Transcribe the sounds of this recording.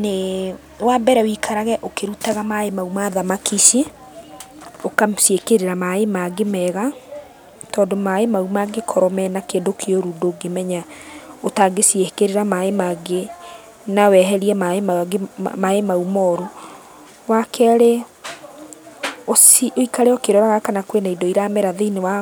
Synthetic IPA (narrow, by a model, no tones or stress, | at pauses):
ne | wabɛɾɛwikʰaɾaɣɛʔokeɾutaɣamaemaumaðamakiʃe | okamsiekeɾeɾamaemaɡemɛːɣa | tɔːndomaemaumaɡekʰɔɾɔmɛnakeːndokʰeoɾundoːɡemɛɲaotaɡesiekeɾeɾamaemaɡe | nawɛɦɛɾiɛma | maemaumɔːɾo | wakɛɾe | osioikaɾeokeɾɔɾaɣakanakwenaidoiɾamɛɾaðeinewa